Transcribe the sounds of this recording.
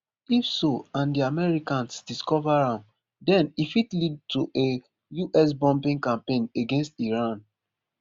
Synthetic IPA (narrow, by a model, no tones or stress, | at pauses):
ifsoãndiamɛɹikãnsd̥iskɔvaɹãm | dɛ̃nifitlid̚tuʔe | juʔɛs̬bɔ̃mpĩŋkãmpẽneɡẽnstiɹãn